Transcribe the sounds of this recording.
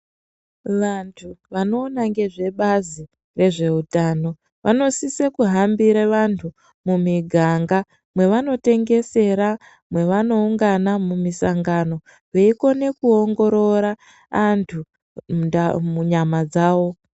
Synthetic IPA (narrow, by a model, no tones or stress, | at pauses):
ʋantʰuʋano̞ːnaŋɡe̞ʐe̞ɓazi | re̞ʐe̞utaːno̞ | ʋʔa̰no̞sisekuɦambiɾeʋantʰu | mumiɡʱaŋɡa | mwe̞ʋano̞te̞ŋɡe̞se̞ɾa | mwe̞ʋano̞uŋɡanamumisaŋɡano̞ | weiko̞ne̞kuo̞ŋɡo̞ɾo̞ɾaː | ntʰu | muɲamad͡zaːʋo̞